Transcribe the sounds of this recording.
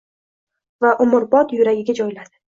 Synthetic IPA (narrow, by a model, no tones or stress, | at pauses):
vaʔʊmʊɾbɒt̪jʊɾaɡʲɪɡʲad͡ʒɒjlad̪ɪ